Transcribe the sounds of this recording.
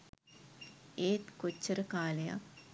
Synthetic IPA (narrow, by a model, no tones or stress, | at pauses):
eːt̪kot͡ʃːəɾəkaːleja̰